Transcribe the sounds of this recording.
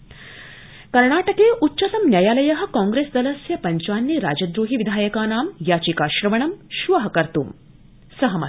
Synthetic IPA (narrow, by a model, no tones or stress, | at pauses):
kɐɾɳaːʈɐkeːʔutːʃɐt̪ɐmnjaːjaːlɐjɐɦɐ̆kaːŋɡɾeːsd̪ɐlɐsjɐpɐɲt͡ʃaːnjiɾaːd͡ʒɐd̪ɾoːɦiʋid̪ʱaːjɐkaːnaːmjaːt͡ʃikaːʃɾɐʋɐɳɐmʃʋɐɦɐkɐɾt̪ṵːm | sɐɦɐmɐ